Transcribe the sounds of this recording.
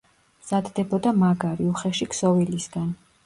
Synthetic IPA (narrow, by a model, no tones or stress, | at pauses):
mz̥ad̪d̪ɛbɔd̪amaɡaɾiuχɛʃiksɔvilisɡan